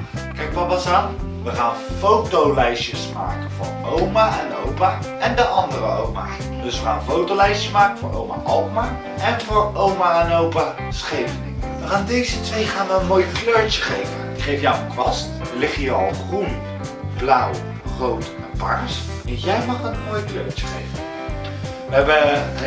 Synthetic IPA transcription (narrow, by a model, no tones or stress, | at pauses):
kɛjkpɑbɑsaːn | ʋəχaːnfowtowlɛjʃəsma̰ːkənvʊ̰ːɹowmaʔɛnowpaːɛndəʔɑndərəo̰wma̰ | dɵsʋəχa̰ːnəfowtowlɛjʃəsmaːkənvʊːɹʔo̰wma̰ʔɑlˠtma | ɛnvʊːɹowmaɛnowpa | sχejvənɪŋ | aːndejzətʋejχaːnʋəənmoːjkløːɹcə̥χejvəndiχejfjawənkʋɑstəlɪχijəɑlˠχrun | blʌw | rowt | ɛnpaɹs | jɛjmɑχənmoːjkløːɹt͡ʃə̥χejvə | ʋəɛbə